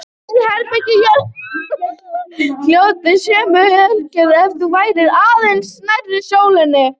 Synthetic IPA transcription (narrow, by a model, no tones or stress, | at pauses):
sɪhɛɾpɛcɪçɛl | l̥jowt̪ɪsjɛːmʏœlcɛðɛft̪ʏvaːjɾɪɾaːðensnarːɪsjoːwlɪnːɪ